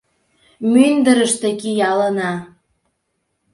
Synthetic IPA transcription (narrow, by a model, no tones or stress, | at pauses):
mynd̪əɾəʃt̪ĕkijɑlənɑ